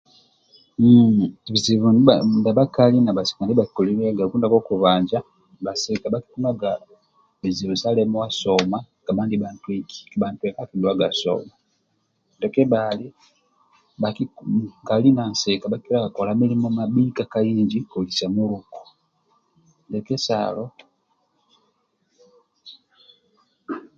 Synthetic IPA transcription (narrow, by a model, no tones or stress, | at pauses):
βiziβunndaβakalinaβase̥kandiβaki̥kolileaɡakuːndakokuβaːɲd͡ʒa | basekabaki̥kunaɡa | βiziβusalemowasoma | ɡ̥aβaːndiβantwiki̥βaːntwekakiduwaɡaso̰ma | ndekeβali | βakiŋɡalinansekaβakkilaɡakolamilimomabikakajiːɲɟikolisamuluko̥ | ndekesa̰lo